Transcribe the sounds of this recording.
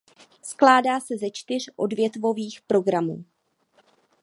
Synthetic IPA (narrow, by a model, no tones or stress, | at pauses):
sklaːdaːsɛzɛt͡ʃt̪ɪr̝̥ʔo̞dvjɛt̪vo̞viːxpɾo̞ɡɾamuː